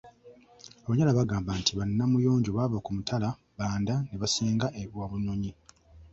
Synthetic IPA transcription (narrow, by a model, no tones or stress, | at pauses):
aβaɲalaβaɡaːmbantʰiβanːamujo̞ːɲɟoβaːvakumutʰala | βaːndaneβaseːŋɡaʔewaβuno̞ɲi